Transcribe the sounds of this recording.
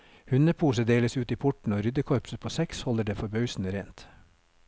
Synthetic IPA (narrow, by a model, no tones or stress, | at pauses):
hʉnəpʰuːsəd̪eːləsʉːt̪iːpʰʊʈɳ̩oːɾʏd̪əkʰɔɾpsəpʰoːsɛkshɔləɖeːfɔɾbœʏsn̩əɾeːnt̪